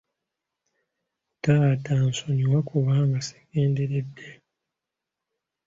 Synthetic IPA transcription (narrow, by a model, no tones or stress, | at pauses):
tataːnsoɲiwakuβaːŋɡase̥ɡe̞ːndeɾedːe